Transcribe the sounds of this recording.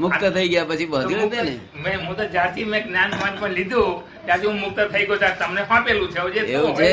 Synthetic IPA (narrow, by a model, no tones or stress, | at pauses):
mʊkt̪ət̪ʰəiɡəjapət͡ʃʰibəɾd̪ene | mɛ̃ɦũt̪od͡ʒaɾt̪ʰimẽknjanmãd͡ʒpə̃ɾlid̪ʱũ | t̪jaɾt̪ʰiɦũmʊk̚t̪ət̪ʰəiɡjõt̪aɾt̪əmneɦãpelũt͡ʃʰeud͡ʒeeʋũt͡ʃʰe